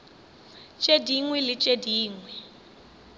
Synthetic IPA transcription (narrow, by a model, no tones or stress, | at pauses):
t͡ʃʼediŋwɛlɪt͡ʃʼediːŋwɛ